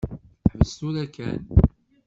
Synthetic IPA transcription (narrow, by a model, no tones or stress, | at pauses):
ħvəst̪uɾækːæn